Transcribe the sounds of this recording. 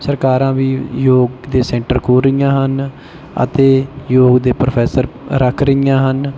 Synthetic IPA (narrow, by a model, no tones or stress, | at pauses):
səɾkaːɾãːʋiːjoːɡd̪eːsɛ̃ːɳʈəɾkʰoːɾijãːɦən | ə̰t̪eːjoːɡd̪eːpɾopʰɛːsəɾɾəkʰɾəijãːɦən